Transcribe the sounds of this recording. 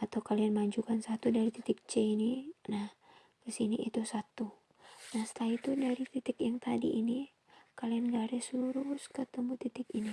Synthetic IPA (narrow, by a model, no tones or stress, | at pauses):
ʔat̪awkalianmaɲd͡ʒukansat̪udaɾit̪it̪ɪk̚t͡ʃɛininah | kəsiniʔḭt̪usat̪u | nahst̪ait̪udaɾit̪it̪ɪkjaŋt̪adḭʔini | kalianɡaɾɛslluɾuskət̪əmut̪it̪ɪkini